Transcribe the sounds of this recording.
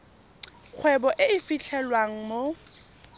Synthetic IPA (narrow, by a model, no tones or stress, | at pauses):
k͡xʰwɛbɔʔɪɪfiɬʰɛlwaŋ̩mo